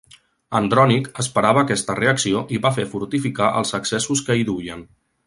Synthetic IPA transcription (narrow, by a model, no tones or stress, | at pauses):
ənd̪ɾɔnikəspəɾaβəːkɛst̪əreəksioʔiβafefuɾt̪ifikaʔə̰lˠzəksɛsuskəiðuʎən